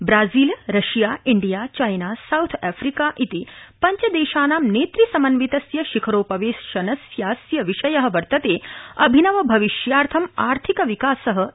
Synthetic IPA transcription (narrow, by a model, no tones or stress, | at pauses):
bɾaːziːlɾɐʃjaːiɳɖijaːt͡ʃajnaːsɐwt̪ʰɛːfɾikaːʔit̪ipɐɲt͡ʃɐd̪eːʃaːnaːmneːt̪ɾisɐmɐnʋit̪ɐsjɐʃikʰɐɾoːpɐʋeːsʃɐnɐsjaːsjɐʋiʃɐjɐɦɐ̆ʋɐɾt̪ɐt̪eːɐbʱinɐʋɐbʱɐʋiʃjaːɾt̪ʰɐmaːɾt̪ʰikɐʋikaːsɐɦɐ